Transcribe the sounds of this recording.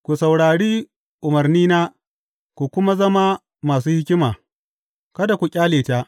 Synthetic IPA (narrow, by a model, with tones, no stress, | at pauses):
kʷu˨sa˨wɽaː˨ɽiː˦ | ʔʊ˨mɐ˨rniː˦naː˦ | kʷu˨kʷʊ˦ma˦zɐ˦ma˦ | maː˨s̬uː˦hɪ˦kʲɪ˦maː˨ | kɐ˦da˨kʷu˨kʲʼaː˦leː˨taː˦ʔ